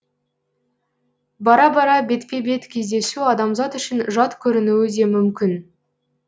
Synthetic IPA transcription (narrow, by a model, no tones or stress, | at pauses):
bɑɾɑbɑɾɑbe̞t̪pʲe̞be̞t̪kʲʰe̞zd̪e̞suɑd̪ɑmzɑt̪ʏʃɪnʒɑt̪kʲʰɵɾɪnuwɪd̪e̞mʏmkʲɪn